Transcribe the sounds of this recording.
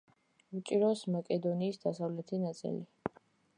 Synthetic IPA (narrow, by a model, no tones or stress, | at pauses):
vut͡ʃʼiɾɔsmakʼɛd̪ɔniːsd̪asavlɛt̪ʰinat̪sʼḭli